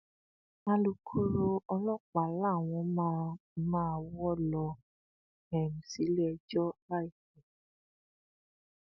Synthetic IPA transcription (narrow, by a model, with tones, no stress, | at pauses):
ã˦lu˧kʰu˦ɾo˧ɔ˧lɔ̃˦˨k͡pa˨la˦˨w̃ɔ̃˧˦mã˦mãː˦˨wɔ˦lɔ˧ | ɛ˨mũ˨si˨˦le˦ɛ˧d͡ʒɔ˦la˦i˦˨kɛ˨